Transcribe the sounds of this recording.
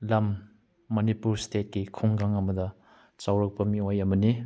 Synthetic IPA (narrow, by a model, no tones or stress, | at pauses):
lamː | ɐnipuɾstʰet̚kekʰuŋɡaŋɐmɐdɐ | t͡ʃawɾɐk̚pɐmiwajɐmɐni